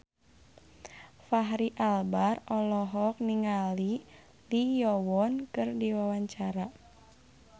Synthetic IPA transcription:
faɦɾiʔalbarɔlɔɦɔk̚niŋali | lijɔwɔnkɨrdiwawaɲt͡ʃaɾa

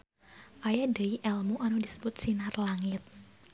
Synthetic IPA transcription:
ʔajadəiʔɛlmuʔanudisə̥bʊt̪̚sinarlaŋɪt̪̚

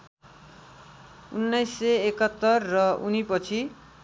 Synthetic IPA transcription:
unːʌjsːeekʌt̪ːʌrːʌunipʌt͡sʰi

